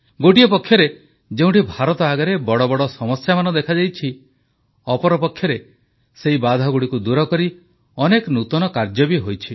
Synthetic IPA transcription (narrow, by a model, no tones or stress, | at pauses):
ɡoʈiepɔkʰːjɔɾe | d͡ʒeũʈibʱaɾɔt̪ɔaɡaɾebɔɽɔbɔɽɔsɔmɔsjamanɔd̪ekʰad͡ʒajt͡ʃʰi | ɔpɔɾɔpɔkʰːjɔɾe | seɦibad̪ʱɔɡuɽikud̪uɾɔkɔɾi | ɔneknut̪ɔnɔkaɾd͡ʒɔbiɦojt͡ʃʰi